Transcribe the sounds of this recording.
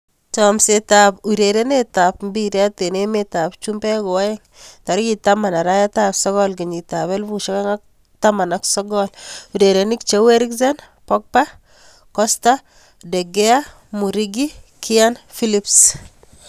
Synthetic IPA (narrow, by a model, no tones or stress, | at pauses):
tɔmsetapuɾeɾenetapmbiɾeatenemetap̚t͡ʃumbɛkɔwajɛŋtaɾikitamanaɾajatapsɔɣɔlkiɲitaβɛlbuʃɔkɛŋak̚ | tamanaksɔɡɔluɾeɾenikt͡ʃeweɾikzɛn | pɔk̚pa | kɔsta | deɡɛa | muɾiɡikʰianfilips